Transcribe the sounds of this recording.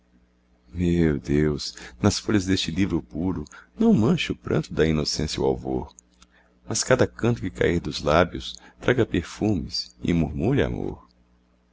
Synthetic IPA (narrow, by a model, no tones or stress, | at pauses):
mewd̪ewsnɐsfoʎɐzd̪est͡ʃɪlivɾʊpuɾʊnɐ̃w̃mɐ̃ʃʊpɾʔɐ̰̃nt̪ʊd̪ɐinosẽsjɐṵa̰wvo̰ɾ | mɐskad̪ɐkɐ̃nt̪ʊkɪka̰iɾd̪ʊzlabjʊst̪ɾʔaɡɐpeɾfũmɪsɪ̰muɾmuʎɐa̰mo̰ɾ